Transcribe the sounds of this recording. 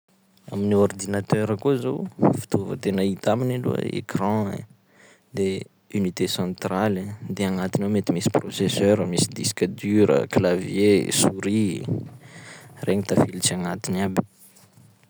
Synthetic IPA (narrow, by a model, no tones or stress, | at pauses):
a̰miniord̪inat̪øɾəkuzowfi̥t̪uvə̰t̪enəit̪aminalṵə̰ḛkrɑ̃ḛ | d̪e | ynit̪esɑ̃t̪rald̪eaŋat̪inomet̪imisi̥prosesøɾəmisid̪isi̥kʲad̪yɾə̰klavjesuɾi | reɲit̪afilit͡ʃaŋat̪inabi̥